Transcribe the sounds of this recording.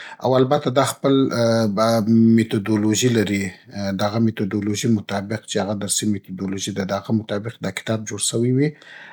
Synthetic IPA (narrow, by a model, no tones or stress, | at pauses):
a̰walbat̪ad̪ɑxpəl | met̪od̪oloʒilaɾid̪aɣamet̪od̪oloʒimʊt̪ɑbɪqt͡ʃeaɣad̪aɾsimet̪od̪oloʒid̪ad̪əaɣamʊt̪ɑbɪq̚d̪ɑkɪ̥t̪ɑb̚d͡ʒoɽʃəwiwi